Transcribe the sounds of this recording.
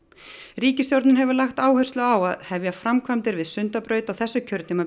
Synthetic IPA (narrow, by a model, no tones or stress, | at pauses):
ɾiːcɪsjoɾt̪nɪnɦɛvʏɾlaxt̪aːwhœ̥st̪lʏawa̰ðhɛvjafɾamkʰvamt̪ɪɾvɪðsʏnt̪apɾœːɥt̪awθɛsːʏcʰœɾt̪nɪma